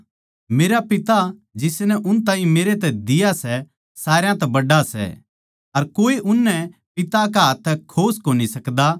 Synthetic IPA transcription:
meːɾapɪt̪ad͡ʒɪsnɛʔʊnt̪ãːĩmeːɾet̪̬ɛd̪ɪjasɛ | saːɾejãt̪ɛbɐɖasɛ̰ | ɐɾkoːiʔʊnːɛpɪt̪akaɦɐt̪ʰːkʰoːskoːnisɐkd̪a

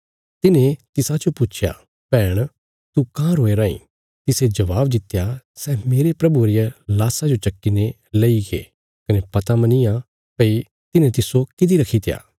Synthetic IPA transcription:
t̪ɪnẽt̪ɪsad͡ʒopʊt͡ʃʰja̰ | pɛːɽ̃ | t̪ukãːɾoːeɾaːḭ̃ | t̪ɪsed͡ʒɐʋaːbd̪ɪt̪ːjasɛːmeːɾepɾɐbuɾɪjalaːsad͡ʒot͡ʃɐkːine | leiɡḛː | kɐnepɐt̪amɐnia | pɐi | t̪ɪnẽt̪ɪsokɪd̪iɾɐkʰit̪ʰɪja̰ː

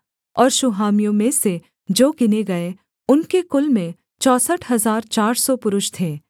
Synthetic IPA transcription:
ɔːɾʃʊɦaːmijõmẽse | d͡ʒoːkɪneɡɐe | ʊnkekʊlmẽ | t͡ʃɔːsəʈʰɦɐzaːɾt͡ʃaːɾsɔpʊɾʊʃt̪ʰeː

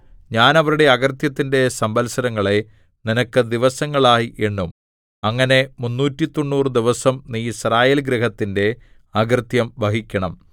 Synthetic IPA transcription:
ɲaːnɐʋɐɾuɽe̞ɐɣɐrt̪jɐt̪ːinde̞sɐmbɐlsɐɾɐŋːɐɭe̞ | ninɐkːɨd̪iʋɐsɐŋːɐɭaːjiʔe̞ɳːum | ɐŋːɐne̞munːuːtːit̪o̞nːuːrɨd̪iʋɐsɐmniːisraːjelɡɾeɦɐt̪ːinde̞ | ɐɡrt̪jɐmbɐɦikʲːɐɳɐm

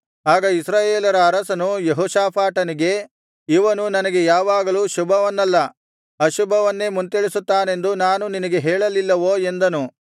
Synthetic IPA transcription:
aːɡɐisɾaːjeːlɐɾɐːɾɐsɐnujeɦoːʃaːpʰaːʈɐniɡe̞ | iʋɐnunɐnɐɡe̞jaːʋaːɡɐluːʃubʱɐʋɐnːɐlːɐ | ɐʃubʱɐʋɐnːe̞ːmunt̪eɭisut̪ːaːne̞nd̪unaːnuninɐɡe̞ɦɛːɭɐlilːɐʋoːe̞nd̪ɐnu

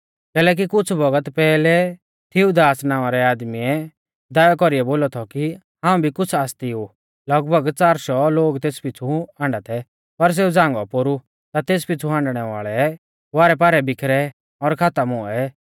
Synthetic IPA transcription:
kɛːlɛːk̬ikʊt͡sʰbɐɡət̪pɛːlɛ | t̪ʰɪud̪aːsnãːaɾɛaːd̪miɛ | d̪aːjakɔɾiɛboːlɔt̪ʰɔki | ɦãːũbʱikʊt͡sʰaːst̪iu | lɐɡbʱəɡt͡saːɾʃɔloːɡt̪eːspɪt͡sʰuãːɳɖat̪ʰɛ | pɐɾs̬eːud͡zãːŋɡɔpoɾu | t̪at̪eːspɪt͡sʰuɦãːɳɖɽ̃ɛʋa̰ːɭɛ | ʋaːɾɛpaːɾɛbɪkʰɾɛ | ɔɾkʰaːt̪amʊɛ

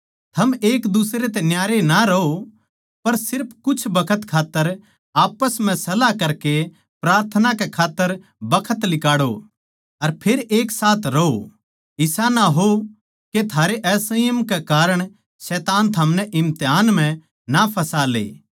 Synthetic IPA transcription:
t̪ʰɐmeːkd̪ʊsɾet̪̬ɛnjaːɾenaɾɐo | pɐɾsɪɾpʰkʊt͡ʃʰbɐkʰət̪kʰaːt̪ːəɾ | aːpəsm̤ɛ̃sɐlakɐɾke | pɾaːɾt̪ʰənakekʰaːt̪ːəɾ | bɐkʰət̪lɪkaːɽo | ɐɾpʰeɾeːksaːt̪ʰɾɐo | ɪsanaɦo | ket̪ʰaːɾeʔɛːsɐjəmkɛkaːɾəɽ̃ | sɛːt̪aːnt̪ʰɐmnɛʔɪ̃mt̪eɦaːnm̤ɛ̃ | napʰɐsaːlḛː

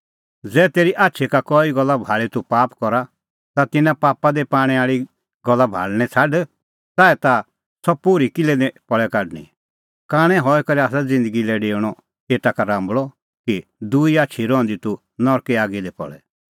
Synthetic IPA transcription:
d͡zɛːt̪eːɾiʔaːtːʃʰikakɔiɡɔlːabʱaːɭit̪upaːpkɔɾa | t̪at̪ɪnãpaːpad̪epaːɽ̃ɛaːɭi | ɡɔlːabʱa̰ːɭnɛt͡sʰaɖ | t̪aːɛt̪a | sɔpuɾikɪlɛdɛpɔɭɛkaɖnḭ | kaːɽ̃ɛ̃ɦɔɛkɔɾiaːs̬ad͡zɪ̃nd̪əɡilɛɖeːɽ̃ɔ | eːʈ̪akaɾãːmbɭɔ | kid̪uiaːtːt͡ʃʰiɾɔ̃ːnd̪it̪u | nɔɾkeaːɡid̪ɛpɔ̰ɭɛ

